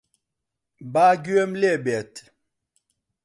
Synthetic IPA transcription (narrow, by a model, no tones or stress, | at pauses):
baɡɥɛmlɛbɛt